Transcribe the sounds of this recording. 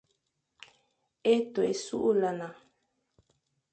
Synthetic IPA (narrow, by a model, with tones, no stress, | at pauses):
e˦t̪o˨e˨su˦ʔu˦la˨na˨